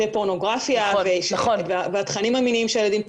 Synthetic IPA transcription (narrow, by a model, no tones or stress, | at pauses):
epo̞no̞ɡʁafjaveʃaovaveat̪χanimaminiimʃeajlad̪im